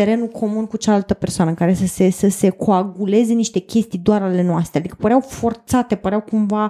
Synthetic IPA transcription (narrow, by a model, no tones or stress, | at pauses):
eɾe̞nukʰo̞munkut͡ʃalalt̪əpe̞rsoanəkaɾe̞səse̞səse̞kʰo̞aɡule̞ze̞niʃt̪e̞kʲe̞st̪ijd̪oaɾale̞noast̪ɾead̪ikəpəɾeawfo̞rt̪sat̪e̞pəɾeawkumva